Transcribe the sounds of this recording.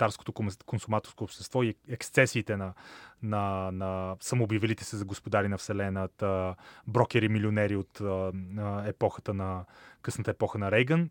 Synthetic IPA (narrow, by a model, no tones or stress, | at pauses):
t̪aɾsko̥t̪okonsʊmat̪oɾskoːpʃt̪ɛst̪vɔiɛkst̪sɛsiːt̪ɛnɐnɐnɐsɐmoːbivɛlit̪ɛ̥sɛzɐɡospod̪aɾinɐfsɛlɛnət̪əbɾɔkɛɾimilionɛɾiot̪ | ɛpɔxət̪ənɐkɤsnət̪əɛpɔxənɐɾɛjɡən